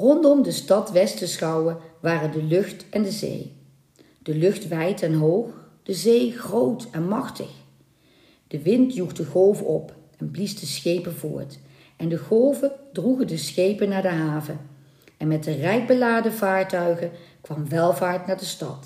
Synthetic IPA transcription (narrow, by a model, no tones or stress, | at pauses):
rɔndɔmdəstɑtʋɛstəsχɑwəʋaːrəndəlɵχtɛndəzḛj | d̥əlɵχtʋɛjtɛnɦowχ | d̥əzejχrowtɛnmɑχtə̰χ | d̥əʋɪntjuχdəɣowvəʔɔp | ɛnblisdəsχejpəvʊ̰ːɹt | ʔɛndəɣowvədruɣəndəsχejpənaːɹdəɦaːvə | ʔɛnmɛtdərɛjk̚bəlaːdəvaːɹtœɥɣəkʋɑmʋɛlˠvaːɹtnaːɹdəstɑ̰t